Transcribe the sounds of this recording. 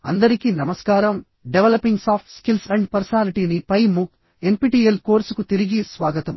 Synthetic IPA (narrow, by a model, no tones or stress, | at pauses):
ɐ̰nd̪ɐɾikinɐmɐskaːɾɐm | ɖeʋelɐpːiŋɡsaːpʰʈskilsɐɳɖpɐɾsɐnaːɾiʈiːnipɐjmu | e̞mpiːʈiːelko̞ːɾsukut̪iɾiɡisʋaːɡɐt̪ɐm